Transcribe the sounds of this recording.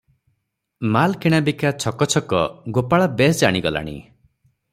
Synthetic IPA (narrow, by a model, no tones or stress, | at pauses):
malkʰeɽ̃abikat͡ʃʰɔkɔt͡ʃʰɔkɔɡopaɭabesd͡ʒaɽ̃iɡɔla̰ɽ̃ḭ